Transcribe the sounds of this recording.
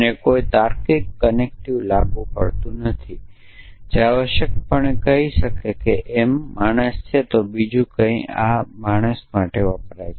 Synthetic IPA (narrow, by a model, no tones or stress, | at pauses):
nekoit̪aɾkikːənek̚ʈiʋlaɡʋũpə̰ɭt̪ũnət̪ʰi | d͡ʒaʋəʃjəkpəɳekəɦiʃəkekeʔemːaɳ̃əst͡ʃʰet̪obid͡ʒũkə̃ĩamaɽ̃əsmaʈeʋəpɾaj